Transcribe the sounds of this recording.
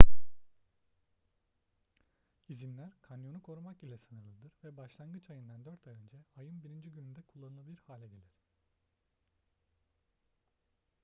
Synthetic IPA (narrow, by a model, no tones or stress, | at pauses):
izinlʲæɾkʰanjo̞nukʰo̞ɾumakilʲɛsɯnɯɾlˠɯd̪ɯɾvɛbaʃlˠanɡɯt͡ʃʰajɯnd̪and̪øɾt̪ʰajø̞nd͡ʒɛajɯnbiɾind͡ʒiɟynynd̪ɛkʰulˠːanɯlˠabilʲiɾhaːlʲɛɟe̞lʲiɾ̥